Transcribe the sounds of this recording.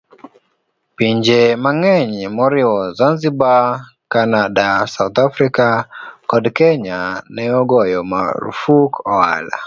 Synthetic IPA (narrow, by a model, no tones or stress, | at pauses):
piɲd͡ʒemaŋɛɲmɔɾiɔzanziba | kanadasaut̪afɾikakɔdkɛɲanɛɔɡɔjɔma̰ɾṵfukɔa̰la̰